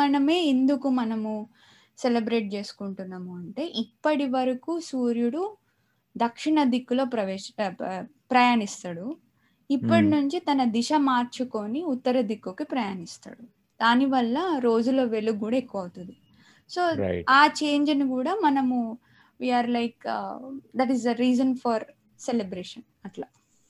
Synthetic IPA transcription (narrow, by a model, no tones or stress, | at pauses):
ɐnɐme̞ːend̪ukumɐnɐmu | selebɾe̞ːʈ̚t͡ʃe̞ːsu̥kuɳʈunːaːmuɐɳʈe̞ːʔipːɐʈiʋɐɾɐkuːsuːɾjuɽu | d̪ɐkʂiɳɐd̪ikːulo̞ːpɾɐʋeː | pɾɐjaːnist̪aːɽu | ipːɐʈinuɲt͡ʃit̪ɐnɐd̪iʃɐmaːɾt͡ʃuko̞ːniut̪ːɐɾɐd̪ikːukipɾɐjaːnist̪a̰ːɽu | d̪̥aːniʋɐlːɐɾo̞ːd͡ʒulo̞ːʋe̞ɭːuɡuːɽaekːuʋɐwut̪und̪i | so̞ːaːt͡ʃe̞ːɲd͡ʒɐnikuːɽaːmɐnɐmu | ʋiːaːɾlɐjk | d̪ɐʈizɐɾiːzɐnfɐɾ | selebɾeːʂɐn | ɐʈlaː